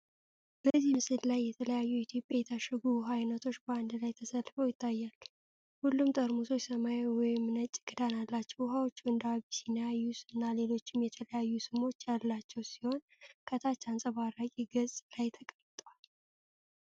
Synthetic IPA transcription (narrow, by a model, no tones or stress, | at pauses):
bəzːihmɨsɨllajːɛt̪ʰələjajːuit̪ʰjo̞pʼjajɛt̪ʰaʃəɡuɦajnət̪ʰo̞t͡ʃːbəand̪lajt̪ʰəsəlːfəwjɪt̪ʰːajːal | hulːumt̪ʼəɾmuso̞t͡ʃsəmajwɔjɪmnət͡ʃʼːɪɡ̥ɨd̪analːat͡ʃːɛwɦawot͡ʃːuɨnd̪aβisinjajːusɨnːale̞lo̞t͡ʃːɪmjɛt̪ʰələjajːusɨmo̞t͡ʃːjalːat͡ʃːɛwsiho̞n | kʰət̪ʰat͡ʃːansʼəβaɾakʼiɡəzʼlajt̪ʰəkʼəɾt̪ʼwal